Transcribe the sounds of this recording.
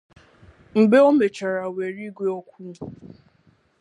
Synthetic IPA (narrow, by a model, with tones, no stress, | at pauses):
m̩˨ɡ͡be˦o˦me˨t͡ʃa˨ɾa˨we˨ɾi˦ɡʷe˦ɔ˦kʷu˦˨